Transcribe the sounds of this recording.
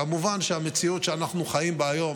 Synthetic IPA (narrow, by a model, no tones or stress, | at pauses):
amuvanʃeamet͡siutʃeanaχnuχajimbeajo̞m